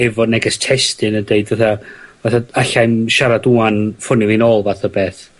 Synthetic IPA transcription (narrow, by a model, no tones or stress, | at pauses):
ɛvɔnɛɡɛstʰɛstɨnədeɨdvaθavaθaaɬajmʃaɾaduanfʊnɪvˠlˠinoːlˠvaθabeːθ